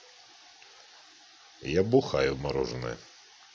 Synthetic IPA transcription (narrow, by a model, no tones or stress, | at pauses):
jabʊxɑjʊmɐɾɔ̰ʒnɛ̰